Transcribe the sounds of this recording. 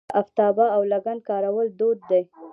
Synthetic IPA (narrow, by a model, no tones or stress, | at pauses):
aft̪ɑbaawlaɡan̚kɑɾawəld̪od̪̚ːe